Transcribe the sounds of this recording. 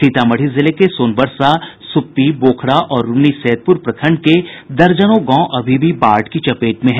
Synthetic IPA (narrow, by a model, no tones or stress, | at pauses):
iːt̪amɐɽ̤izɪlekesoːnbəɾsasʊpːiboːkʰɽaʔɔːɾːʊniseːd̪̚pʊɾpɾɐkʰə̃ɳɖ̚ked̪ɐɾd͡ʒənõɡɔ̃ːʔɐbʱibʱibaːɾʈkit͡ʃɐpeːʈmẽɦɛ